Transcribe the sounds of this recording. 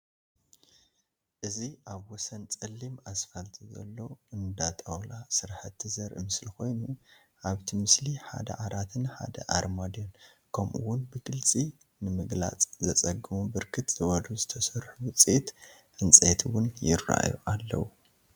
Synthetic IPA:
ʔɨziʔaβwɔsɐnt͡sʼɐlːimasfɐlt̪ʰizɐ̰lːo̞ɨnd̪at̪ʼɐwlasɨɾħɐt̪ʰːizɐɾʔɨmɨsliko̞jnu | ʔaβt̪ʰimɨsliħa̰d̪ɐ̰ʕaɾʔat̪ʰɨnħa̰d̪ɐ̰ʔaɾmad̪jon | kʰɐmʔṵwʊnbɨɡɨlt͡sʼi | nɨmɨɡla̰t͡sʼzɐt͡sʼɐɡɨmubɨɾkʰɨt̪z̥ɨwɐd̪uzɨt̪ʰɐsɐɾħuwɨt͡sʼit̪ | ʔɨnt͡sʼet̪ʰwʊnjɪrːa̰jṵʔalːɐ̰wu

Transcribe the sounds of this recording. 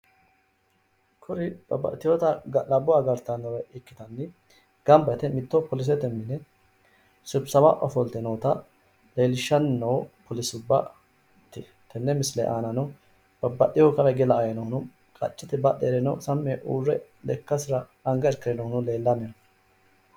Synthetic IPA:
kʰʊɾɪb̥ɐbɐ̰t̪ɪjot̪ɐɡɐlɐbʊaːɡɐɾt̪ːɐnɔɾɛʔɪkːɪ̥t̪ɐnːɪ | ɡ̥ɐmbɛt̪ɛmɪt̪ːopɔlɪs̬ɛt̪ɛmːɪnɛ | sʊbsɐwaʔɔfɔlt̪ɛnoːt̪ɐ | le̞ːlɪʃːɐnːoːpʰɔlɪsʊbːɐ̰ | t̪ːɪ | t̪ʰɛnːɛmɪslɛ̰ʔaːnɐnɔ | b̥ɐbːɐɗɪjɔkɐbɛɡɛlɐːjɛnɔhʊnʊ | kʼɐ̰t͡ʃʼːɪt̪ɛbɐɗeɾɛnɔsɐmːeʔuːrːɛ̰ | lɛkːɐsɪɾɐ | ɐŋɡɐɪɾkɪɾɛnohʊnʊle̞ːlːɐmɛjɐ

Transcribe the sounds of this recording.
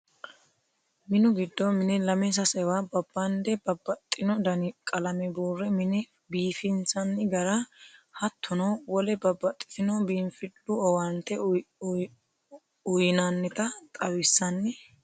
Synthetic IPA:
mɪnʊɡɪd̪ːɔmɪnɛlɐmɛs̬ɐsɛwabɐbːɐnd̪ɛbɐbːɐt̪ʼːɪnɔd̪ɐnɪkʼɐlɐmɛbuːrːɛmɪnɛ | biːfɪnsɐnːɪɡɐɾɐhɐt̪ʰːʊnɐwɔlɛbɐbːɐt̪ʼːɪ̥t̪ɪnɔbiːmfɪlːʊɔwɐnt̪ːɛ | ʊjɪnɐnːɪt̪ɐt̪ʼɐwɪsːɐnːɛ

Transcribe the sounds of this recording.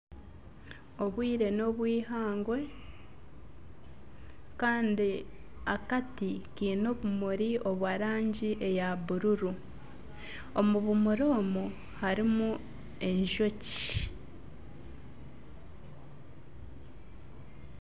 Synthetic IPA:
o̞βwiːɾe̞no̞βwiːɦaːŋɡwe̞ | kaːndiakatikiːno̞βumuɾio̞βwaɾaːɲɟiʔe̞jaβuɾuɾu | o̞muβumuɾo̞ːmu | haɾimu | e̞ɲʒo̞ci̥

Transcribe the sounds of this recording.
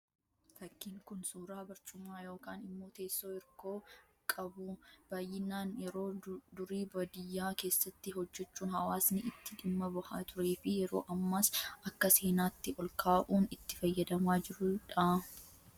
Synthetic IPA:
fɐkːiːŋkʊnsuːɾaːbɐɾt͡ʃʼʊmːaːjo̞ːkaːnɪmːo̞ːt̪e̞ːsːo̞ːɪɾko̞ː | kʼɐbʊb̥aːjːɪnaːnjɛɾo̞ːd̪ʊɾiːbɐd̪ɪjːaːke̞ːsːɐt̪ːɪɦɔd͡ʒːɛt͡ʃːuːnhɐwaːsnɪɪt̪ːɪᶑɪmːɐbɐhaːt̪ʰʊɾe̞ːfɪjɛɾo̞̰ːʔɐmːaːsʔɐkːɐse̞ːnaːt̪ːɪɔlkʰaːʔuːnɪt̪ːɪ̥fɐjːɐd̪ɐmaːd͡ʒɪɾʊᶑɐ

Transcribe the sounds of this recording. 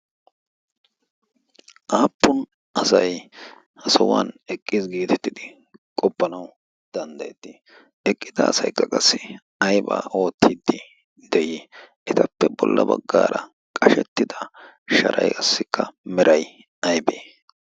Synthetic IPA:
ʔaːpːʊn | ʔɐsɐj | hɐsɔwanɛkʼːɪzɡiːt̪ʰɛ̥t̪ːɪd̪ɪ | kʼɔpːɐnɐw | d̪̥ɐnd̪ɐjɛt̪ːɪ | ɛkʼːɪd̪ɐ̰ːsɐjkːɐkʼɐsːɪ | ɐjba̰ːʔo̞ːt̪ʰːid̪ːɪ | d̪̥ɛjiʔɛt̪ɐpːɛbɔlːʔɐbɐɡːaːɾɐ | kʼɐʃɛt̪ːɪd̪ɐ | ʃɐ̰ɾʔɐ̰jɐsːɪkʰːɐmɛɾʔɐj | ɐjbeː

